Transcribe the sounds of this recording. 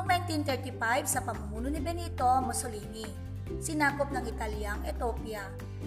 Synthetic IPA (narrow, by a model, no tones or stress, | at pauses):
ŋnajnt̪int̪ɛɹt̪ifajvsɐpɐmʊmuːnonibɛniːt̪omɔsoliːni | sɪnaːkop̚nɐŋɪt̪aljaŋʔɛt̪oːpja